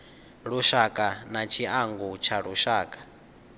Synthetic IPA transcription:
ɺuʃakʼanat͡ʃʰiaŋɡut͡ʃʰaɺuʃaːkʼḁ

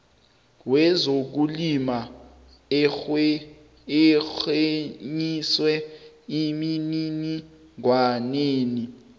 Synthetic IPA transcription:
wɛzok̬ulima | ɛxeɲiswɛ | iminini | ŋwaneːni

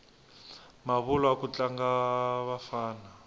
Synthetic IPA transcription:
maβulɔakut͡ɬaŋɡaβafaːna

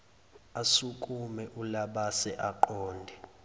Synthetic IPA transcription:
asukʼumɛʔulaɓasɛʔaǃɔːndʱɛ

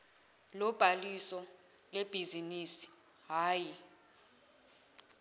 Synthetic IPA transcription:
lɔb̥ʱalisɔ | leb̥ʱiziniːsi̥ | ɦaːji

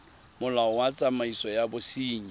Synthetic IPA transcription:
mʊlaɔwat͡sʼamaisɔjabʊsiːɲi

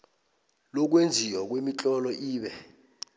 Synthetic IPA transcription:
lɔk̬wend͡zʱiwɔk̬wemit͡ɬʼɔlɔʔiːɓɛ

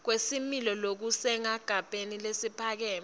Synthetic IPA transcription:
k̬wesimilɔlok̬usɛŋaɡ̥ʱapʼenilesipʰak̬ɛːm

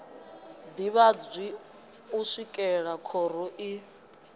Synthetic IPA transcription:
d̪iβad͡zʷi | uʂikʼɛɺakʰɔɾɔʔi

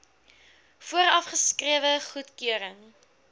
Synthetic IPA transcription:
fuəɾɐfχəskriəvəχutkøəɾəŋ

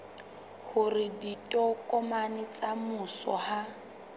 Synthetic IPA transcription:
hʊrɪditʼɔkʼɔmanɪt͡samʊsɔ̰ha

